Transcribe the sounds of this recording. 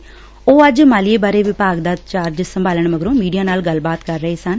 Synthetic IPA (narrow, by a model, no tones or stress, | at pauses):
oːəd͡ʒmaːlieːbaːɾeːʋɪpaːɡd̪aːt̪t͡ʃaːɾd͡ʒsəmbaːləɳməɡɾõːmiːɖijaːnaːlɡəlbaːt̪kəɾːəɦeːsən